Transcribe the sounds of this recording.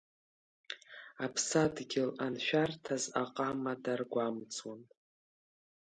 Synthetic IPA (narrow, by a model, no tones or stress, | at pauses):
apʰsadɡʲɪlanʃᶣartʰazaqʼamadarɡʷamt͡sʰʼwan